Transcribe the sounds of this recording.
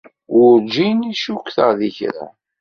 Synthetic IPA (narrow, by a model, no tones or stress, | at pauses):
wʊɾd͡ʒiniʃukʷːθəʁðiçɾa̰